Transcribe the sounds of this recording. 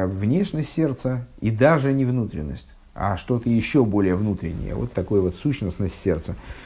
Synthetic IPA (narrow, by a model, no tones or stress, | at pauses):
vnʲeʂnʲəsʲtʲsʲe̞rt̪səid̪aʐɨnʲɪvnut̪ɾʲɪ̰nːəsʲtʲ | a̰ʂt̪o̞t̪əjɪɕːobo̞lʲɪjəvnut̪ɾʲɪnʲːɪ̰jə̰vo̰t̪ːɐko̞jvo̞t̪suɕnəsnəsʲtʲsʲe̞rt̪sə